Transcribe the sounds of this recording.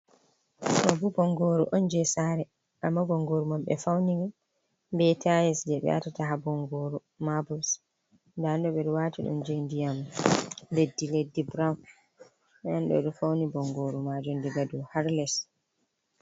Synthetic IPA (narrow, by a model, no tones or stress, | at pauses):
sɔbubɔŋɡoɾṵʔɔnd͡ʒɛsaɾɛ | ʔamːabɔŋɡoɾumamɓɛ̰fawniŋɡa | mbɛtʰajɛsd͡ʒɛɓɛ̰a̰tataɦabɔŋɡoɾu | mabus | ndandɔbɛɾwaːtiɗɔ̰nd͡ʒendijam | ledːiledːibɾawn | ɛanɗɔ̰ɗɔfawnibɔŋɡoːɾumad͡ʒɔndiɡadɔhaɾlɛs